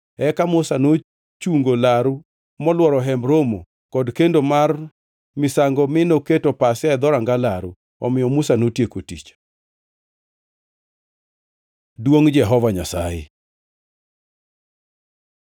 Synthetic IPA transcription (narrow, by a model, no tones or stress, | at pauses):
ɛkamʊsano | t͡ʃuŋɡolaɾu | mɔlwɔɾɔɦɛmɾomo | kɔdkendomar | mɪsaŋɡɔmɪnoketopasɪaɛd̪ɔɾaŋɡalaɾṵ | ɔ̰mɪjɔmusanotjekotḭt͡ʃ | dwoŋd͡ʒɛɦɔvaɲasa̰jɪ̰